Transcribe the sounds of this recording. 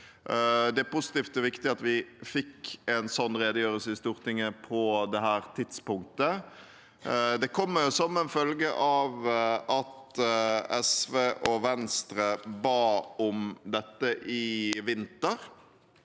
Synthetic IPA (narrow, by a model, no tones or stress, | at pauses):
d̪ɛæɾpʊsɪ̥t̪iːft̪ɔʋɪkt̪ɪɑt̪ʋɪfɪkːɛnsɔnːɾeːd̪əjøːɾəlsəɪst̪uːɾt̪ʰɪŋːəpʰɔd̪ɛɦæːɾt̪ʰɪd̪spʊŋk̚t̪ə | d̪ɛkʰɔmːəɾjʊsɔmɛnfœlɡəʔɑʋɑt̪ | ɛsʋeːʔɔʋɛnst̪ɾəbɑːɔmd̪ɛt̪ːəʔɪʋɪnt̪əɾ